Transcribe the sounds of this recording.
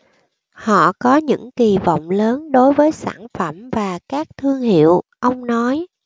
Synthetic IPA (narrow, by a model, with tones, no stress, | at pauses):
hɔ̰˧˨kɔ˨˦ɲɨ̰˧˥ŋki˨˩vɔ̰˧˨wŋ͡mləː˨˦nɗo˨˦jvəː˨˦jsa̰ː˧˩nfə˧˩mvaː˨˩kaː˦˥k̚t̪ʰɨ˧əŋhḭ˧˨əwʔə˧wŋ͡mnɔ˨˦j